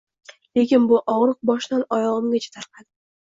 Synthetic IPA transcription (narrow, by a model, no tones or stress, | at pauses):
le̞kʲɪnbʊʔɒʁɾɨq̚bɒʃnanɒjɒʁɨmɡʲat͡ʃʰḁt̪ʰaɾqʰɑd̪ɪ